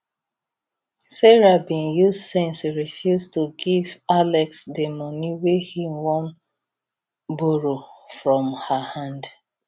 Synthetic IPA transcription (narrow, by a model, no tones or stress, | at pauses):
sɛɹabĩnjussɛ̃nsɹifjustuɡivalɛksdemɔniwehimwɔ̃n | boɹofɹɔ̃mhahãnd